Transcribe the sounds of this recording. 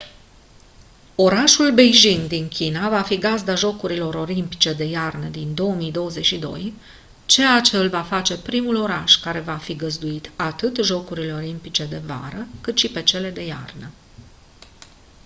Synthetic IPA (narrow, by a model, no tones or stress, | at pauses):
o̞ɾaʃulbe̞jʒind̪iŋkʲinavafiɡazd̪aʒo̞kuɾilo̞ɾo̞limpit͡ʃe̞d̪e̞jarnəd̪ind̪o̞əmijd̪o̞wəze̞t͡ʃʲʃid̪o̞̰j | t͡ʃe̞at͡ʃe̞ɨlvafat͡ʃe̞pɾimulo̞ɾaʃkaɾe̞vafiɡəzd̪uit̪at̪ɨt̪ʒo̞kuɾile̞o̞limpit͡ʃe̞d̪e̞va̰ɾəkɨt̪ʃipe̞t͡ʃe̞le̞d̪e̞ja̰rnə